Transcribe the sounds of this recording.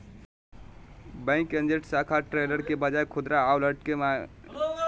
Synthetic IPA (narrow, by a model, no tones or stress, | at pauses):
bə̃ɪ̃kə̃nd͡ʒeʈsakʰaʈɾeləɾkebəd͡ʒajkʰud̪ɾaːwləʈkema